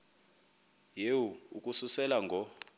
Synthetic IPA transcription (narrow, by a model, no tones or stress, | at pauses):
jewuukʼususɛlaŋɡʱɔ